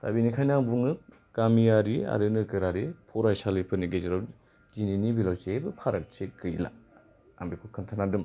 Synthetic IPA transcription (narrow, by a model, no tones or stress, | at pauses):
ta̰binikʰajnaŋbuŋɯ | kamijaɾia̰ɾɯnɯkɯɾaɾipʰɔɾajsalipʰɯniɡeziɾaw | d͡ʒininibilawseebɯpʰaɾak̚t͡ʃʰekɯjla̰ | a̰mbikʰukʰɯntʰanadɯm